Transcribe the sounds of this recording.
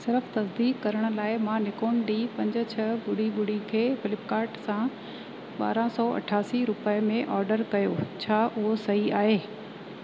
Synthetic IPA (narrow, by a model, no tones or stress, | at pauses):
sɪɾəft̪ɐsd̪iːkkɐɾəɽ̃ʊ̆laːɪmãnɪkoːnɖiːpɐ̃ɲd͡ʑʊt͡ɕʰɐɓʊɽiɓʊɽ̤ikʰeːfɪlɪpkaːɾʈsã | ɓa̰ːɾãsɔːʔɐ̰ʈʰaːsiɾʊpəmẽʔɔːɾɖəɾkɐjoːt͡ɕʰaːʔʊɦosɐɦiaːɦeː